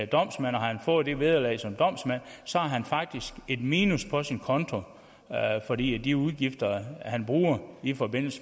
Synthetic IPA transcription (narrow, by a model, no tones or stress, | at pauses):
d̥ɒ̽m̰smæn̰ɒhɑ̈hænfɔ̽ːð̩ˠd̥e̝ʋe̝ð̞ˠɐlɛ̰ɪsɒ̽md̥ɒ̽m̰smæn̰sɒ̽hɑɦænfɑ̈ɡ̥̚d̥isɡ̥e̝d̥miːnuspʰɒ̽sinkʰɒ̽nt͡sʰo̝ | fɒ̽dḭːæd̥iuð̞ˠɡ̥ifd̥ɐhænb̥ʁuːɐifɒ̽be̝n̰l̩sə